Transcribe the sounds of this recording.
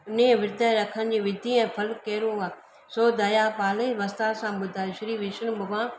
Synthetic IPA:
ʊnẽʋɪɾd̪ʱəɾɐkʰənɪ̆d͡ʑĩːʋɪd̪ʱiɛ̃ːpʰɐlkeːɾũɡãː | soːd̪ɐjapaːleʋɐst̪aːsãɓʊd̪ʱaːʃɪɾiːʋɪʃənbʊʋãː

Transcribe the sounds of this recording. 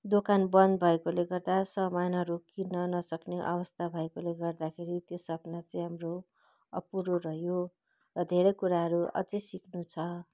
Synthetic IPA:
d̪okanbʌnbʱʌekoleɡʌrd̪asʌmajnʌɾokinʌnʌsʌkneʔʌ̰bʌst̪ʰabʱʌekoleɡʌrd̪akʰeɾit̪josʌpnat͡sʌ̃ĩj̃ɦamro | ʌ̰puɾoɾʌɦjo | rʌd̪ʱeɾʌjkuɾaɦʌɾuʌ̰d͡zʌjsiknut͡sʰʌ

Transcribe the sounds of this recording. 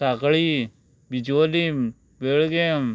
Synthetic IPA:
akɭi | bid͡ʒoːlim | beɭɡem

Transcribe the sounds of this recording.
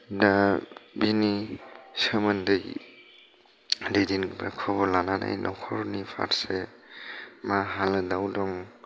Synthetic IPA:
dabinisəmɯndɯj | dedinbakʰɔbɔlanana̰jnʔɔkʰɔɾnipʰa̰ɾse | maɦalɯdawdɔŋ

